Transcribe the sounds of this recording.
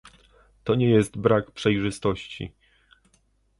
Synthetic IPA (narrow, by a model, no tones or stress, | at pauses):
t̪ɔɲɛjɛst̪bɾakpʂɛjʐɘst̪ɔɕt͡ɕḭ